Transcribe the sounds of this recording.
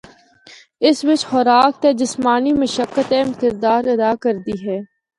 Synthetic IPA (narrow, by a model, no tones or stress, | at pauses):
ɪsʋɪt͡ʃxɔɾaːk̚t̪eːd͡ʒɪsmaːniməʃəkːət̪ɛ̃ːmkɪɾd̪aːɾɐd̪aːkɐɾd̪iɦɛː